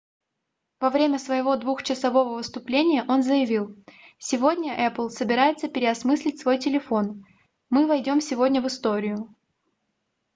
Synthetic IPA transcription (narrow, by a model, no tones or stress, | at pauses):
vɐvɾʲemʲəsvəjɪvo̞d̪vuxt͡ɕɪsɐvo̞vəvɨst̪ʊplʲenʲɪjəʔo̞nzəjɪvʲilˠ | sʲɪvo̞dʲnʲəʔɛplˠsəbʲɪɾajɪt̪səpʲɪɾʲɪɐsmɨsʲlʲɪtʲsvo̞jtʲɪlʲɪfo̞n | mɨvɐjdʲo̞msʲɪvo̞dʲnʲəvɨst̪o̞ɾʲɪjʊ